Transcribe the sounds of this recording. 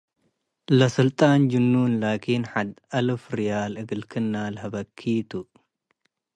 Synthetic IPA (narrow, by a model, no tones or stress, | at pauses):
lɐsɨlt̪ʼand͡ʒɨnːunlaːkʰinħad̪ɐlɨfɾijaːlɨɡɨlkʰɨnːalhɐbɐkʰːiːt̪ʰu